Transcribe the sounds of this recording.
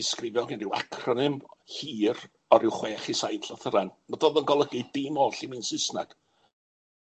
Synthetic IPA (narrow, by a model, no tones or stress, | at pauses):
ɪskrɪvjɔɡɪnrɪwa̰kʰrɔnɨmhiːr | ɔɾɪwχweːχisajnɬɔθəɾanmadoːðənɡɔlˠəɡɨdɪmoːɬimɨnsɪsna̰ɡ̥